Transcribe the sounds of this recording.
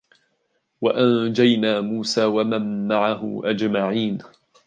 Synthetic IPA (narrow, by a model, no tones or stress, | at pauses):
waʔand͡ʒajnaːmuːsaːwamanːaʕaɦʊ̰ʔad͡ʒmaʕiːn